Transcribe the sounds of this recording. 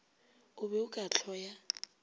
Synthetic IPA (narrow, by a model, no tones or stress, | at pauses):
ʊβɛʊkʼat͡ɬʰɔja